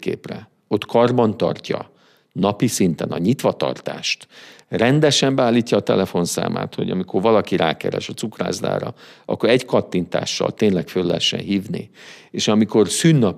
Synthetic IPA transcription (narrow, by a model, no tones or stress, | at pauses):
kḛːprɛ | o̞t̪kʰɒrbɒnt̪ɒ̰rcɒ | nɒpisint̪ɛnɒɲit̪ʋɒt̪ɒ̰rt̪aːʃt̪rɛnd̪ɛʃɛmbɛaːlːiːcːɒːt̪ɛlɛfo̞nsa̰ːma̰ːt̪ho̞̰ɟɒmikʰo̞rvɒlɒkiɾaːkɛɾɛ̰ʃɒtsukra̰ːzla̰ːɾɒ̰ɒ̰kːo̞ɾɛɟkɒt̪ːint̪a̰ːʃːɒ̰lt̪eːnlɛkfølːɛɦɛʃːɛ̰nɦiːvnḭeːʃɒmiko̞rsyːnːɒp